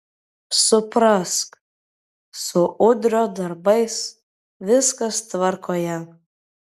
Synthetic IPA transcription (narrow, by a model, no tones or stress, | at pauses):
sʊpɾɐsk | sʊʔʊd̪ʲɾʲod̪ɐɾbɐɪs | ʋʲɪskɐst̪ʋɐɾkʰoːjɛ